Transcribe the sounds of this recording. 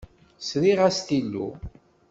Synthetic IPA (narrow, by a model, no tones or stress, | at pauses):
sɾiʁæst̪ilːṵ